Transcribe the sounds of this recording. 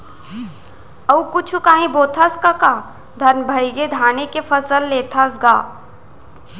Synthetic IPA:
ɐukʊt͡ʃʰukaːɦĩboːt̪ʰaskaka | d̪ʱɐɾmbʱɐɪɡed̪ʱaːnekepʰɐsəlːeːt̪ʰasɡa̰ː

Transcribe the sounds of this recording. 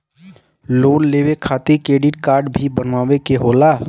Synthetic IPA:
loːnleːʋekʰaːt̪ikɾeːɖɪʈ̚kaːɾɖbʱibənʋaːʋekeɦoːlaː

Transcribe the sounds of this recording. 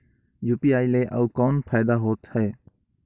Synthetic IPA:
juːpiːaːileːʔəukɔːnpʰaːd̪aːɦoːt̪hɛː

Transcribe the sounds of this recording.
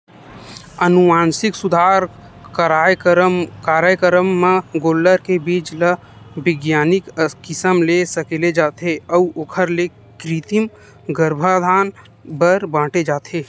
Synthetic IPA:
ənumaːnsɪksʊd̪ʱaːɾ | kɾa | kaːɾjəjəkəɾəmːaɡoːlːəɾkebiːt͡ʃlə | bɪɡjaːnɪkkɪsəmlesəkeled͡ʒaːt̪eəuoːkʰəɾle | kɾiːt̪im | ɡəɾbʱad̪ʱaːn | bəɾbãːʈed͡ʒaːt̪ʰeː

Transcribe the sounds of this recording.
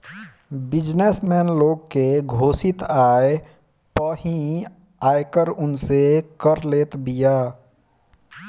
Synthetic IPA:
bɪd͡ʒnesmɛːnloːɡkeɡʱoːsɪt̪aːe | pəɦĩ | aːjkəɾʊnsekəɾleːt̪bijaː

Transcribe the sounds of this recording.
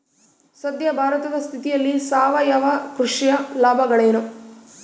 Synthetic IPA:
sɐd̪jɐbʱaːɾɐt̪ɐd̪ɐst̪ʰit̪ijɐlːisaːʋɐjɐʋɐkɾuʂijɐlaːbʱɐɡɐɭeːnu

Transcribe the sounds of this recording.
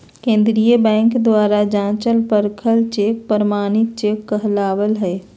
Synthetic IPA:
kẽːnd̪ɾijəbɛ̃ːŋkd̪waːɾad͡ʒãːt͡ʃəlpəɾkʰəlt͡ʃeːk̚pəɾəmaːnɪt̪̚t͡ʃeːkːəɦlaːʋəlɦɛː

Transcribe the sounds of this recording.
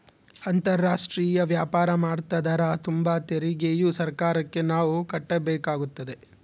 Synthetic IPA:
ɐnt̪ɐɾːaːʂʈɾiːjɐʋjaːpaːɾɐmaːɽt̪ɐd̪ɐɾat̪umbɐt̪eɾiɡejusɐɾkaːɾɐkːe̞naːʋukɐʈːɐbɛːkaːɡut̪ːɐd̪e̞

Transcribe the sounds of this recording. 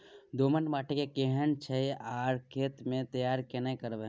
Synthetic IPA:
d̪oːmənʈmaːʈʰekekeɦənt͡ʃʰəiaːɾkʰeːt̪mẽt̪ɐjaːɾkenekəɾʋe

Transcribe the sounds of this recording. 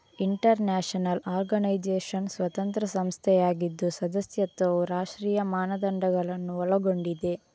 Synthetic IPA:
iɳʈɐɾnaːʂɐnɐlaːɾɡɐnɐjd͡ʒeːʂɐnsʋɐt̪ɐnt̪ɾɐsɐmst̪ʰɛjaːɡid̪ːusɐd̪ɐsjɐt̪ʋɐʋuɾaːʂʈɾiːjɐmaːnɐd̪ɐɳɖɐɡɐɭɐnːuɔlɐɡoɳɖid̪e̞

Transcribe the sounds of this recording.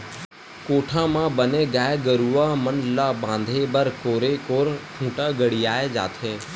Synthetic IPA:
koːʈʰãːmãːbəneːɡaːeɡəɾuːaːmənlaːbãːnd̪ʱeːbəɾkoːɾeːkoːɾkʰũːʈaːɡəɽiːaːed͡ʒa̰ːt̪ʰẽː

